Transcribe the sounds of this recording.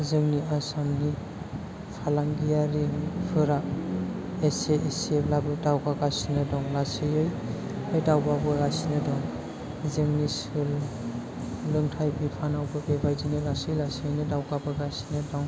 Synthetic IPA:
zɯŋniʔasɔmni | pʰalaŋɡijaɾipʰɯɾa | eseʔeseblabɯdawɡaɡasinɯdɔŋlasɯjɯj | ajdawbabɯɡasinɯdɔŋ | zɯŋnisɯl | lɯŋtʰajbipʰanawbɯbebajdinɯlasɯjlasɯnɯdawɡabɯɡasinɯdɔŋ

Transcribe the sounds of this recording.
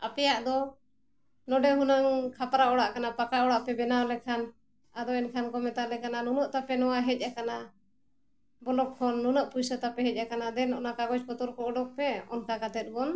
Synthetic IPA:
apɛjaʔd̪ɔ | nɔɖɛɦunaŋkʰapɾaɔɽaʔkanapakaɔɽaʔpɛbɛnawlɛkʰan | ad̪ɔɛnkʰankɔmɛt̪alɛkananunɔʔt̪apɛnɔwaɦɛc̚ˀakana | bɔlɔkːʰɔnːunɔʔpujsat̪apɛɦɛc̚ˀakanad̪ɛnɔʔnakaɡɔt͡ʃkɔt̪ɔɾkɔɔɖɔk̚pɛɔnkakat̪ɛt̪̚ˀbɔn

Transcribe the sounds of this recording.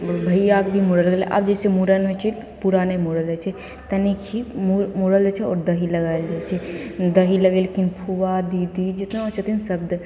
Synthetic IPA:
bʱəijak̚bʱimuɾələɡelʔa̰bd͡ʒesemuɾənmet͡ʃʰɛ | puɾanemoɾəld͡ʒat͡ʃʰɛ | t̪ənikʰimuɾmoɾəld͡ʒat͡ʃʰɛɔ̰ɾd̪əɦiləɡald͡ʒajt͡ʃʰɛd̪əɦiləɡelkinpʰuʋad̪id̪id͡ʒet̪naɔt͡ʃʰət̪insəb̚d̪

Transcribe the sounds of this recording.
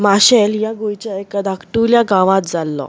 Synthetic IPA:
maɕeljaɡujt͡ɕəjkəd̪ʱakʈuljaɡãʋãt̪̚d͡zalːɔ̰

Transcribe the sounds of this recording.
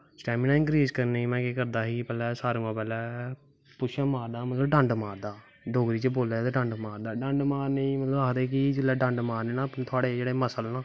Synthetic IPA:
sʈɛːmiːnaːɪ̃ŋkɾiːzkəɾneĩːmɛ̃ːkeːkəɾd̪aːɦiːpɛːlɛːsaːɾũːãːpɛːlɛː | pʊʃəːmaːɾd̪aːmət̪ləbɖəɳɖmaːɾd̪aː | ɖoːɡɾiːt͡ʃeboːlaːt̪eɖəɳɖmaːɾd̪aːɖə̃ɳɖmaːɾneĩːmət̪ləbaːd̪eːkiːd͡ʒɪlːɛːɖəɳɖmaːɾneːnapːt̪ʰʊaːɽeːd͡ʒeːɽeːməsəlnãː

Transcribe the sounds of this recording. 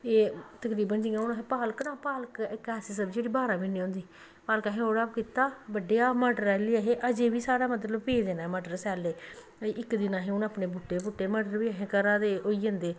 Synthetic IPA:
eːt̪əkɾiːbənd͡ʒɪãːʊnːɦẽːpaːləknãːpaːləkːkɛːsɪsəbd͡ʒeːɽiːbaːɾaːbiːniːɦõːnd̪iː | paːlkəɦẽːoːɽaːpkiːt̪aːbəɖeːaːməːɖəɾaliːəɦeːʔəd͡ʒeːbiːsaːɽaːmət̪̬ləbpeːd̪eːnaːɛməɖəɾsɛːleː | ɪkd̪ɪnãːɦẽːʊnaːpneːbʊʈːeːbʊʈːeːmaːɖəɾʋiːəɦẽːkəɾaːd̪eːoːiːənd̪eː

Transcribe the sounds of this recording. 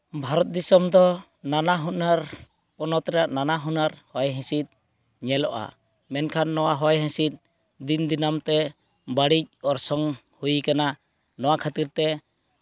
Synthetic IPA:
bʱaɾɔt̪̚d̪isɔmd̪ɔ | nanaɦunaɾ | pɔnɔt̪ɾɛaʔnanaɦunaɾhɔjɦɛ̃sit̪̚ | ɲɛlɔʔa̰ | mɛnkʰanːɔwaɦɔjɦɛ̃sit̪̚ˀ | d̪ind̪inamt̪ɛ | baɽic̚ɔɾsɔŋ | hujkana | nɔwakʰat̪iɾt̪ɛ

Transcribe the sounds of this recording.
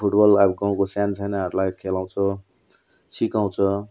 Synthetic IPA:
pʰuʈbʌlabɡaũkosjant͡sʰajnaɦʌɾulajkʰelaw̃t͡sʰʌ | sikaw̃t͡sʰʌ

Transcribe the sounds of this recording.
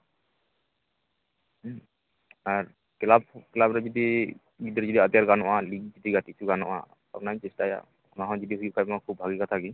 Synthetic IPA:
aɾ | kɛlab̚kɛlabɾɛd͡ʒɔd̪i | ɡid̪ɾɛd͡ʒɔd̪iad̪jaɾɡanɔʔaliɡ̚d͡ʒɔd̪iɡat̪it͡ʃʰuɡanɔ̰ʔa̰ | a̰pnaĩt͡ʃɛsʈaja̰ | ɔnaɦɔ̃d͡ʒɔd̪iɦujuʔkʰajmakʰub̚bʱaɡikat̪ʰaɡi

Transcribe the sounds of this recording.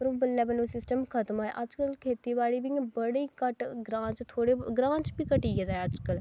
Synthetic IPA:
pəɾoːbəlːɛbəlosɪsʈəmkʰət̪əmaːɛ̰ʔɐd͡ʒkəlkʰeːt̪iʋaːɽiːbĩbəɽiːkəʈɡɾãːt͡ʃt̪ʰoːɽeɡɾãːt͡ʃbikəʈiːɡed̪aɦɛəd͡ʒkəl

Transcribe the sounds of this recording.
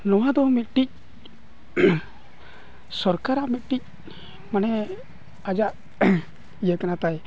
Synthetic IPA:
nɔwad̪ɔmit̪̚ʈic̚ | sɔɾkaɾaʔmit̪̚ˀʈic̚ | manɛ | ad͡ʒaʔ | ijəkanat̪aj

